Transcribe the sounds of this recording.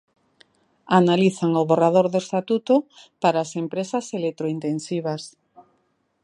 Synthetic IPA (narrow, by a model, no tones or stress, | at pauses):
analiθaŋoβorað̞oɾðoest̪at̪ut̪opaɾaːsempɾesaselek̚t̪ɾoint̪ensiβ̞as